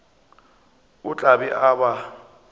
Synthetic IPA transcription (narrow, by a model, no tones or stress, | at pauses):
ʊt͡ɬʼabɛʔaba